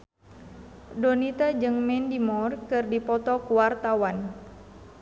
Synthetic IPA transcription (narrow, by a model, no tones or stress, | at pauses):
dɔnit̪ad͡ʒɨŋmɛndimɔrkɨrdipɔt̪ɔkuwart̪awan